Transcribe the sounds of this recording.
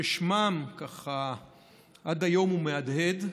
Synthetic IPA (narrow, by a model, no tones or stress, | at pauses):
eʃmamkaχa | ʔad̪ajo̞mumead̪hed̪